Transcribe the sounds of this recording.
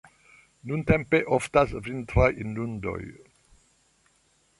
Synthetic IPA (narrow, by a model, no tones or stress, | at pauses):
nunt̪ɛmpeʔɔft̪asvint̪ɾajʔinːund̪ɔ̰j